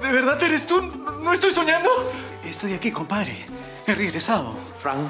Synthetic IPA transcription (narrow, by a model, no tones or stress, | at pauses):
d̪eβeɾðaðeɾest̪unõest̪ojsoɲãnd̪o | est̪ojakikompaðɾḛ | ereɣɾesaðo̰ | fɾaŋ